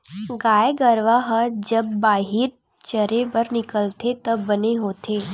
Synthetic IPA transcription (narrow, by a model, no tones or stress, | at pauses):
ɡaːjɡəɾʋaɦəd͡ʒəb̚ːaːɦiɾ | t͡ʃəɾepəɾnɪkəlt̪ʰet̪əbəneɦoːt̪ʰe